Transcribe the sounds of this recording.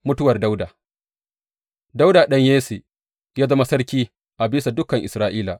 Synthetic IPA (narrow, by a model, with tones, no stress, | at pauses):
mʊ˦tʊ˦wɐ˨rda˦wdaː˨ | da˦wdaː˨ɗɐ˦ɲjeː˦si˨ | jaː˦zɐ˦ma˦sɐ˦rkʲiː˦ | ʔa˨biː˦sa˨dʊ˦kːɐ˨ŋʔɪ˨sɾaː˦ʔiː˦la˨